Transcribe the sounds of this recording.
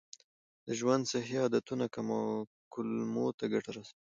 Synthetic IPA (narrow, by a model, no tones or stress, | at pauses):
d̪əʒwand̪saɦiɑd̪at̪unakama | kʊlmot̪aɡaʈaɾasawi